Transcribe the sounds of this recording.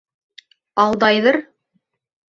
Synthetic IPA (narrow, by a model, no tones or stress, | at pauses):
ɑlˠd̪ɑjðɤɾ